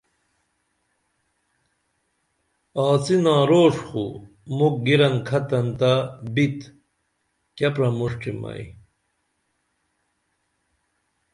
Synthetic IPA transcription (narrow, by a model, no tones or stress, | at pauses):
aːt͡sinãːɾoːʂχṵ | muk̚ɡiɾɐnkʰɐt̪ɐnt̪abit̪ | kɐpɾɐmuʂʈ͡ʂʰimɐ̰ḭ